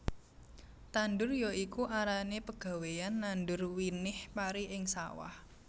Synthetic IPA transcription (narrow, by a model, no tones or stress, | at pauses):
t̪andʊrjoikuʔaɾanepəɡ̥a̤wejanːandʊrwinɪhpaɾiʔɪŋsa̰wa̰h